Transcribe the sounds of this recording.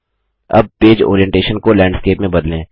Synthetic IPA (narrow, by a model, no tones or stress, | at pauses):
ɐ̰b̚peːd͡ʒo̰ːɾijɛ̃ɳʈeːʃənkolɛ̃ːɳɖskeːpmẽbɐd̪lẽː